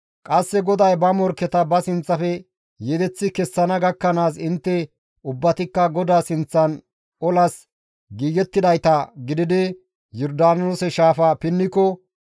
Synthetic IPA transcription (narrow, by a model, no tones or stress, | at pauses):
kʼɐsːɛɡɔd̪ɐjbɐmɔɾkːɛt̪ɐbɐsɪnt͡sːɐfɛ | jɛd̪ɛt͡sːɪkɛsːɐnɐɡɐkːɐnaːsɪnt̪ːɛ | ʊbːɐt̪ɪkːɐɡɔd̪aːsɪnt͡sːɐn | ɔlɐs | ɡiːɡɛt̪ːɪd̪ɐjt̪ɐɡɪd̪ɪd̪ɛ | jɔɾd̪aːnoːsɛʃaːfɐpɪnːɪkɔ